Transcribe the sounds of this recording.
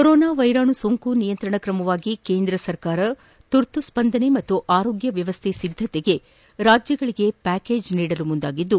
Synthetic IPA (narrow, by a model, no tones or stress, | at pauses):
kɔɾɔːnaːʋɐjɾaːɳusoːŋkunijɐnt̪ɾɐɳɐkɾɐmɐʋaːɡikeːnd̪ɾɐsɐɾkaːɾɐ | t̪uɾt̪uspɐnd̪ʱɐnemɐt̪ːuʔaːɾo̞ːɡjɐʋjɐʋɐst̪ʰesid̪ʱːɐt̪ɛɡe̞ | ɾaːd͡ʒjɐɡɐɭiɡe̞pæːke̞ːd͡ʒniːɽɐlumund̪aːɡid̪ːu